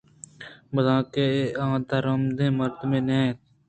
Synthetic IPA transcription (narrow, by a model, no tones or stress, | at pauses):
bəzãːkeːãːt̪aːɾəmd̪ẽːməɾd̪mẽːnẽːt̪